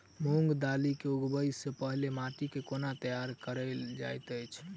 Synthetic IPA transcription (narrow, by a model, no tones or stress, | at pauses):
muŋɡd̪alikeuɡbəjsːepəɦlemaʈikekonat̪əjaɾkəɾɛld͡ʒa̰jt̪əjt͡ʃʰ